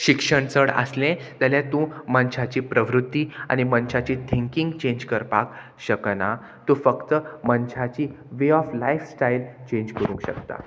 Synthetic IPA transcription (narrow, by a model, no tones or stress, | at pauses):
ɕikʂəɳt͡səɽə̰slẽd͡z̪aljat̪ũmənɕat͡ɕiːpɾəʋɾut̪ːia̰ñimənɕat͡ɕit̪ʰiŋkĩŋɡt͡ɕẽɲd͡ʑkəɾpa̰k | ɕəkəna | t̪ũfəkt̪əmənɕat͡ɕiː | ʋeɔflajfsʈailt͡ɕẽɲd͡ʑkəɾũːŋkɕə̰kt̪a̰